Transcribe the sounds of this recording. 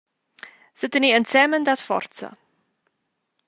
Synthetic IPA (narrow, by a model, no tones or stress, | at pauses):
sətəniənsɛməndɐtfɑ̰rtsə̰